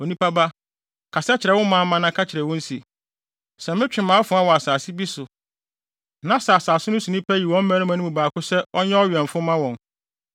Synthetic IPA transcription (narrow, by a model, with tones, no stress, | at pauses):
o˨nĩ˦pʰa˦ba˦ | kʰa˨sɛ˦t͡ɕʰɪ˨ɾɛ˨wʊ̃˦mãː˨˦mã˦nã˦kʰa˦t͡ɕʰɪ˨ɾɛ˨wɔ̃˦n̩˦si˨ | sɛ˨mɪ̃˦t͡ɕᶣɪ˨mãː˨˦fʊ˨˦a˦wɔ˨a˨saː˨sɪ˦bi˦sʊ˨ | nã˦sa˨a˨saː˨sʊ˦nʊ̃˦sũ˨nĩ˦pʰæ˦ji˨wɔ̃˦m̩˦mæ̃˦nʊ̃˦mã˨nũ˦mũ˨baː˨kʊ˦sɛ˦ɔ˦ɲɛ˦ɔ˦ɥɛ̃˨m˨fʊ˦mã˦wɔ̃˨n